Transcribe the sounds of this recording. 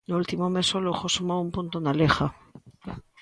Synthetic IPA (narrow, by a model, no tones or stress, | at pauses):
noult̪imomesolouxosumaumpunt̪onalexa